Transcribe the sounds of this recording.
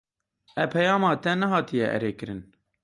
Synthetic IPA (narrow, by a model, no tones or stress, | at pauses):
ɛpʰɛjɑːmɑːt̪ɛnɛɦɑːt̪ijɛʔɛ̰ɾeːkɨɾɨn